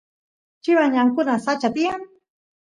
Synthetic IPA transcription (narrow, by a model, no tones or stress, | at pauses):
t͡ʃɪwaɲaŋkʊnasat͡ʃat̪ijaŋ